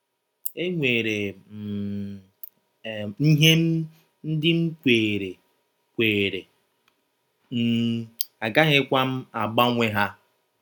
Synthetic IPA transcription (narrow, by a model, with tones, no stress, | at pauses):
e˦ŋʷe˨ɾe˨ | n̩˦ɦe˦m̩˦ | n̩˦dɪ˦m̩˦kʷeː˨ɾe˨ | kʷeː˨ɾe˨ | m̩˦˨a˨ɡa˦ɦɪ˦kʷa˦m̩˦a˨ɡ͡ba˦ŋʷe˦ɦa˦